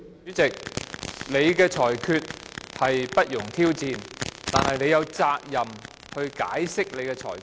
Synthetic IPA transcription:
yː˨˥t͡sɪ˨k̚le˨˧jkɛː˧t͡ʃʰɔː˨˩jkʰyː˧t̚hɐ˨jpɐ˥t̚jʊ˨˩ŋt̪ʰiː˥wt͡siː˨˧nt̪aː˨nhɐ˨jne˨˧jɐ˨˧wt͡saː˧k̚jɐ˨m | hɵ˧ɥka̰ː˨˥jsɪ˥k̚le˨˧jkɛː˧t͡ʃʰɔ̰ː˨˩j

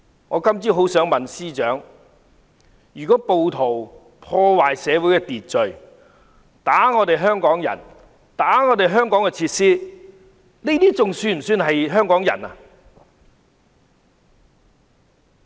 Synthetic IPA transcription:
ŋɔː˨˧kɐ˥mt͡siː˥ɦo˨˥wsœː˨˥ŋmɐ˨nsiː˥t͡ʃœː˨˥ŋ | jyː˨˩kɔː˨˥po˨wt̪ʰo˨˩w | pʰɔː˧waː˨˩jsɛː˨˧wuː˨˥jkɛ˧t̪iː˨t̚t͡sɵ˨ɥ | t̪aː˨˥ŋɔː˨˧t̪e˨jɦœː˥ŋkɔː˨˥ŋjɐ̰˨˩n | t̪aː˨˥ŋɔː˨˧t̪e˨jɦœː˥ŋkɔː˨˥ŋkɛ˧t͡sʰiː˧t̚siː˥ | ne˥t̪iː˥t͡sʊ˨ŋsyː˧nm̩˨˩syː˧nɦɐ˨jɦœː˥ŋkɔː˨˥ŋjɐ̰˨˩na̰˧

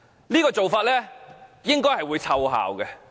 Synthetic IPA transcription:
liː˥kɔː˧t͡so˨wfaː˧t̚lɛː˥jɪ˥ŋkɔː˥jhɐ˨jwuː˨˧jt͡sʰɐ˧wɦa̰ː˨˩wɡɛ˧

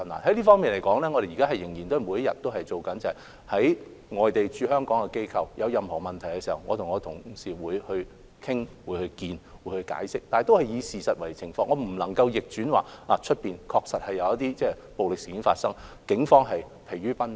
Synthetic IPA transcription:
ɐ˨na̰˨nhɐ˨˥jliː˥fɔː˥ŋmiː˨nle˨˩kɔː˨˥ŋlɛː˥ŋɔː˨˧ɾe˨jiː˨˩kaː˥ɐ˨jɪ˨˩ŋjiː˨˩nt̪o˥˨˩mu˨˧jɐ˥jɐ̰˨t̪ːo˥wɦɐ˨jt͡so˨wkɐ˨˥nt͡sɐ˨ɐ˨˩j | hɐ˨˥j | ŋɔː˨jt̪e˨jt͡ʃyː˧ɦœː˥ŋkɔː˨˥ŋkɛ˧ke˥jkʰɐ˨˧wjɐ˨˧wjɐ˨˧mhɔː˨˩mɐ˨˩nt̪ʰɐ˨˩jkɛ˧siː˨˩hɐ̰˨˩wŋɔː˧tʰʊ˨˩ŋɔː˨˧t̪ʰʊ˨˩ŋsiː˨wuː˨˧jhɵ˧ɥ | kʰɪ˥ŋwuː˨˧˥jhɵ˧ɥkiː˧nwu˨˧˥hɵ˧ka̰ː˨˥jsɪ˥k̚t̪aː˨n˨jt̪o˥whɐ˨jjiː˨˧siː˨sɐ˨t̚wɐ˨˩jt͡sʰɪ˨˩ŋfɔː˧ŋɔː˨˧m̩˨˩lɐ˨˩ŋkɐ˧wjɪ˨k̚t͡ʃyː˨˥nwa̰ː˨˩laː˨˩t͡ʃʰɵ˥t̚piː˨nkʰɔː˧k̚sɐ˨t̚hɐ˨˩jɐ˨˧wjɐ˥t̪iː˥t͡sɛː˥ | po˨wlɪ˨k̚siː˨kiː˨˥nfa̰ː˧t̚sɐ˥ŋ | kɪ˨˥ŋfɔː˥ŋɦɐ˨j | pʰe˨˩jɥyː˥pɐ˥n

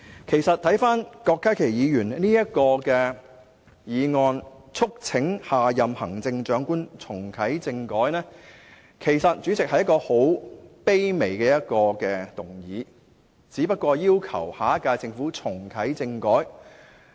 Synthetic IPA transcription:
kʰe˨˩jsɐ˨t̪̚ʰɐ˨˥jfaː˥nkɔː˧kːaː˥kʰe˨˩jjiː˨˧jyː˨˩nniː˥jɐ˥t̚kɔː˧kɛː˧ | jiː˨˧ŋɔː˧nt͡sʰʊ˥k̚t͡sʰɪ˨˥ŋhaː˨jɐ˨mhɐ̰˨˩ŋt͡sɪ˧ŋt͡ʃœː˨˥ŋkuː˥nt͡sʰʊ˨˩ŋkʰɐ˨˥jt͡sɪ˧ŋkɔː˨˥jnɛː˥ | kʰe˨˩jsɐ˨t̚t͡ʃyː˨˥t͡sɪ˨k̚hɐ˧jɐ˥kɔː˧ho˨˥wpe˥jme˨˩jkɛː˧jɐ˥t̚kɔː˧kɛː˧t̪ʊ˨˩ŋjiː˨˦ | t͡siː˨˥pɐ˥t̚kʷɔː˧jiː˥wkʰɐ̰˨˩whaː˨˥kaː˧jt͡sɪ˧ŋfuː˨˥t͡sʰʊ˨˩ŋkʰɐ˨˥jt͡sɪ˧ŋkɔː˨˥j

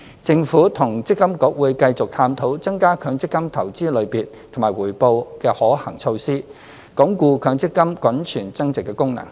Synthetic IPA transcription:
t͡sɪ˧ŋfuː˨˥t̪ʰʊ˨˩ŋt͡sɪ˥kːɐ˥mkɔː˨˥k̚wuː˨˧jkɐ˧jt͡sʊ˨k̚t̪ʰaː˧mt̪ʰo˨˥wt͡sɐ˥ŋkaː˥kʰœː˨˥ŋt͡sɪ˥kːɐ˥mt̪ʰɐ˨˩wt͡siː˥lɵ˨˧ɥpiː˨n | t̪ʰʊ˨˩ŋmaː˨˩wuː˨˩jpo˧wkɛː˧hɔː˨˥hɐ˨˩ŋt͡sʰo˧wsiː˥ | kɔː˨˥ŋkʷuː˧kʰœː˨˥ŋt͡sɪ˥kːɐ˥mkʷɐ˨˥nt͡ʃʰyː˨˩nt͡sɐ˥ŋt͡sɪ˨kːɛː˧kʊ˥ŋnɐ̰˨˩ŋ

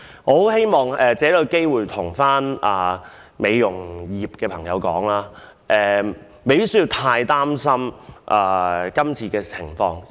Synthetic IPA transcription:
hɔo˨˧˥whe˥jmɔː˨˩ŋɛː˨˧t͡sɛː˨˥lo˨˧ke˥jwuː˨˩jt̪ʰʊ˨˩ŋfaː˥naː˨˩ | me˨˧jjʊ˨˩ŋjiː˨˩p̚kɛː˧pʰɐ˨˩ŋjɐ˨˧wkɔ̰ː˨˥ŋlaː˥ | ʔɛː˨˧ | me˨jpi˥s̬ji˧wt̪ʰaː˧jt̪aː˥msɐ˥mʔaː˨kɐ˥mt͡sʰiː˧kɛː˧t͡sʰɪ̰˨˩ŋfɔː˧ŋ

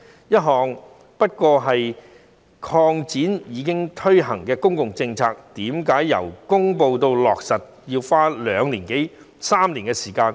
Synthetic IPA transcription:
jɐ˥t̚ɦɔː˧ŋ | pɐ˥t̚kɔː˧ɦɐ˨j | kʰɔː˧ŋt͡siː˨˥njiː˨˧kɪ˥ŋt̪ʰɵ˥ɥɦɐ˨˩ŋkɛː˧kʊ˥ŋkʊ˨ŋt͡sɪ˧ŋt͡sʰaː˧k̚t̪iː˨˥mkaː˨˥jːɐ̰˨˩wkʊ˥ŋpo˧wt̪o˧wlɔː˨k̚sɐ˨t̚jiː˧wfaː˥lœː˨˧ŋliː˨˩nke˨˥j | saː˥mliː˨˩nkɛ˧siː˨˩kaː˧n

